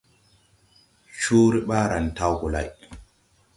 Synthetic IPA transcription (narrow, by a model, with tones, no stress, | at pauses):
t͡ʃuː˦ɾi˦ɓaː˦ɾa˨n˨ta˦wɡu˨la̰˨j